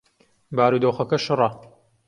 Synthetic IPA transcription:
baːɾuːd̪oːxɐkɐʃɨrˤɐ

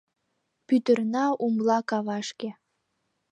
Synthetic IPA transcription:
pyt̪ərnɑumlɑkɑβɑʃke

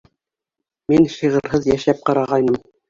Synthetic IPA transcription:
minʃiʁɤ̆ɾɦɤðjæʃæp̚qɑɾɑʁɑjnɤm

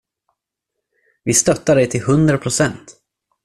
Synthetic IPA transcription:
vɪst̪œt̪ːaɖɛjt̪ʰɪlɦɵnd̪ɾapʰɾʊsɛnt̪

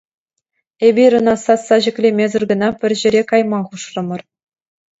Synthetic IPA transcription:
ebʲiɾɤ̆nɑsɑsɑʑɘ̆kʲlʲemʲezʲɘ̆rɡɤ̆nɑpʲɘ̆rʲʑɘ̆ɾʲekɑjmɑχuʂrɤ̆mɤ̆r

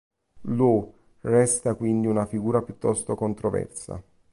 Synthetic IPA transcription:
lu | rɛst̪akwind̪iunafiɡuːɾapjut̪ːɔst̪okont̪ɾovɛ̰rsa̰

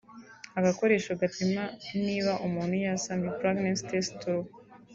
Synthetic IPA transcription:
aɡako̞ɾe̞ːʃoɡatimaniːβaʔumuːn̥hujasamipɾaɡnanstestu

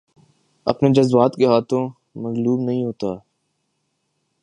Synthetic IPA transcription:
ɐ̰pned͡ʒɐzwaːt̪keɦaːt̪ʰõ | mɐɣluːbnɐɦĩɦoːt̪aː

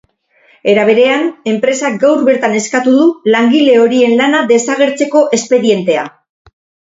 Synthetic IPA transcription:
e̞ɾaβ̞e̞ɾe̞ane̞mpɾe̞saɡawɾβe̞ɾt̪ane̞skat̪uðulaŋɡile̞o̞ɾie̞nlanaðe̞saɣ̞e̞ɾt͡se̞ko̞ʔe̞spe̞ɾije̞nt̪e̞a̰

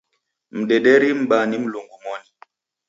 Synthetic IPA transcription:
m̩ɗeɗɛɾim̩ɓanim̩loŋɡumɔni

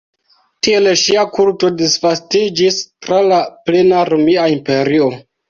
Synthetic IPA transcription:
tie̞leʃiakulto̞disvastid͡ʒistɾalaple̞naɾomiaimpe̞ɾio̞

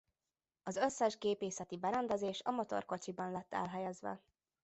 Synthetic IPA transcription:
ɒzøsːɛʒɡeːpeːsɛt̪ibɛɾɛnd̪ɛzeːʃɒmot̪o̰rko̞t͡ʃibɒnlɛt̪ːɛ̰lɦɛjɛzʋɛ̰

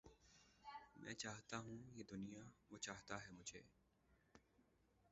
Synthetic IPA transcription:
mʔɛ̰̃ːt͡ʃaːɦt̪aɦũjeːd̪ʊnijaʋoːt͡ʃaːɦt̪aɦɛːmʊd͡ʒʱeː

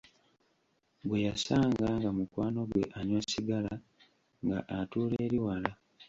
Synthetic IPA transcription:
ɡwe̞jasaːŋɡaŋɡamukwaːno̞ɡwe̞̰ʔaɲwasiɡala | ŋɡa̰ʔatuːleːɾiwala

